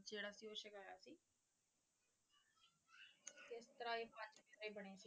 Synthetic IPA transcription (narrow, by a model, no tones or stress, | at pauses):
d͡ʒeːɽaːsiːoːʃɪkaːjaːsiː | kɪst̪əɾaːeːpãt͡ʃbeːɾiːbəɽ̃eːsiː